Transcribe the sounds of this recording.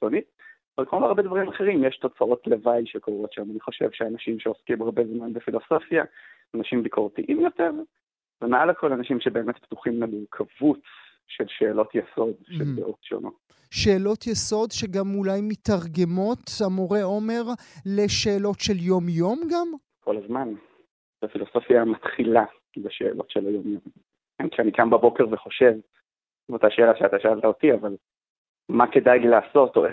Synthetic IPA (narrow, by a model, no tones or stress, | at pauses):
sonitavalkmomaaʁbed̪vaʁimaχeʁimjɛʃto̞t͡saʔot̪levajʃekoʁo̞tʃamaniχo̞ʃevʃeanaʃimʃeoskimaʁbezmanbefilo̞so̞fja | anaʃimbikʰoʁt̪iʔimjo̞teʁ | vemealakʰo̞lanaʃimʃebe̞ːmet̪pt̪uχimleluʁkʰavut͡s | ʃelʃeːlo̞t̪jeso̞d̪ʃeldeʔotʃo̰no̰ | ʃe̞ːlo̞tjeso̞d̪ʃeɡamulajmit̪aʁɡe̞mo̞tamoʁe̞ome̞ʁle̞ʃe̞ːlo̞tʃe̞ljo̞mjo̞mɡam | ko̞lazman | b̥afilo̞so̞fiamat̪χila | beʃe̞̰ːlo̞̰tʃelajomjom | ɡamkianikambabo̞keʁveχo̞ʃe̞v | ot̪aʃeːlaʃeataʃaalt̪aotiaval | make̞dajlilaːso̞to̰e